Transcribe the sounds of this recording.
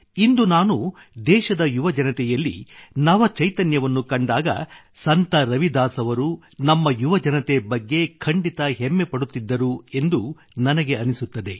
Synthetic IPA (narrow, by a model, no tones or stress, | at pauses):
ind̪unaːnu | d̪ɛːʃɐd̪ɐjuʋɐd͡ʒɐnɐt̪ɛjɐlːḭnɐʋɐt͡ʃɐjt̪ɐnjɐʋɐnːukɐɳɖaːɡɐ̰ | sɐnt̪ɐɾɐʋid̪aːsɐʋɐɾu | nɐmːɐjuʋɐd͡ʒɐnɐt̪ebɐɡːe̞kʰɐɳɖit̪ɐɦemːepɐɽut̪ːid̪ːɐɾue̞nd̪u | nɐnɐɡe̞ɐnisut̪ːɐd̪e̞